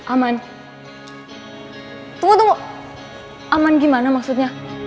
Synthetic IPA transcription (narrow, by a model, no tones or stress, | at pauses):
aman | t̪ud̪o | amank̬imanəmɐksud̪ɲja